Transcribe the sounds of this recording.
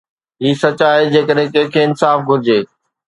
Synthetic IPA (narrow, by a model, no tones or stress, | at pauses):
ɦiːsɐt͡ɕaːid͡ʑeːkəɗɦɪ̃kɛ̃ɦkʰeːɪnsaːfɡʱʊɾɪd͡ʑeː